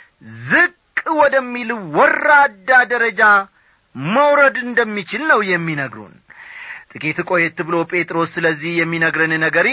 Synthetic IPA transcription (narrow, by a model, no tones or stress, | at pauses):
zɨkʼwɔd̪əmːilɨwːɔrːad̪ːad̪əɾəd͡ʒa | məwɾəd̪ɨnd̪əmːit͡ʃɪlnəwjɛmːinəɡɾṵn | t̪ʼɨkʼet̪ɨkʼo̞jɛt̪ːɨβɨlo̞pʼe̞t̪ʼɾo̞sːɨləzːihjɛmːinəɡɾɨnɨnəɡəɾi